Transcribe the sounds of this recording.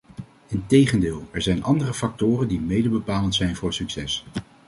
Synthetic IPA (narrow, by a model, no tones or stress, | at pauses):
ɪntejχəndɪːlˠɛɹzɛjnʔɑndərəfɑk̚tʊːrəndimejdəbəpaːləntsɛjnvʊːɹsyksɛs